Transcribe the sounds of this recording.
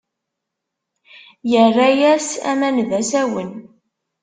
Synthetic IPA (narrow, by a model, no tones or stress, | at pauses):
jərːæjæsæ̰mænvæsæwən